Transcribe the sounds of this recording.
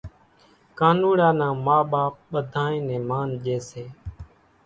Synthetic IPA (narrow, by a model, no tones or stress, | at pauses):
kaːnuːɽãːnãːmaːɓaːp̚ɓəd̪ʱaːẽːnẽːmaːnʄeːseː